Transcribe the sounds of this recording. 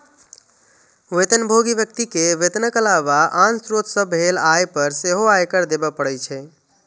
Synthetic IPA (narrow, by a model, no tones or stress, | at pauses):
wet̪ənbʱoɡibjək̚t̪ikeʋet̪ənəkəlaʋaʔansɾot̪səbʱelajpəɾseɦoajkəɾd̪ebəpːəɽɛt͡ʃʰɛ